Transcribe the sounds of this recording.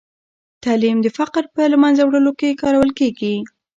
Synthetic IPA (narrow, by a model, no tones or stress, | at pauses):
t̪alimd̪əfaqɾpəlamanzawɽəlokekɑɾawəlkeɡi